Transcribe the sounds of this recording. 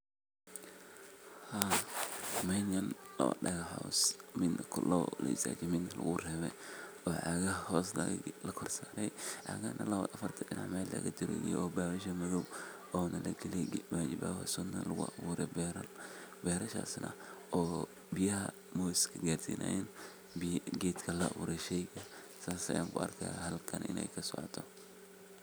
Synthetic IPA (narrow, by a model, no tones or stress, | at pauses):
ha | mɛnjɐnlɐwɐ̰ɗɐɣɐħawsmɪnkʰʊlɐwlɐ̰ɪsa̰ːt͡ʃɛmɪnlɐ̰ɣʊrɛːβɛ̰j | ɔːʕɑɣɐɦhɔːsllɐkʰɔrsaːɾɛjʕa̰ɣaːnʔɐlɐβɐ̰ɐfɐrt̪ʰɐɗɪna̰ʕmɛːlɐ̰ɣɐd͡ʒɪɾɛ̰jɛ̰ɔːbaːwɐʃɐmɐðɔw | ʔɔːnʔɐlɐɡɪlɛjwaːd͡ʒɪba̰ːwɐ̰sʊnːɐ̰lɐɣʊ̰ʔɐwuːɾɛbɾbɛːɾɐʃa̰ːsnɐ̰ʔɔː | bɪjɐɦɐ | mɔːskʰɐɡaːrsḭnʔa̰ɛn | bɡɛːt̪kʰɐlɐwṵːɾɛʃɛjɡɐ | saːsɐjaːŋkʰʊɐ̰rkʰahɐlkʰɐnɪ̰nʔɛ̰jkʰɐsɔ̰ʕɔ̰t̪ʰɔ